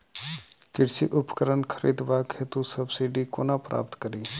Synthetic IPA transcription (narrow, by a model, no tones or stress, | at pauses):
kɪɽsḭʔʊpkəɾənkʰəɾḭːd̪baːkɦet̪usəbsiːɖikoːnapɾa̰ːp̚t̪kəɾiː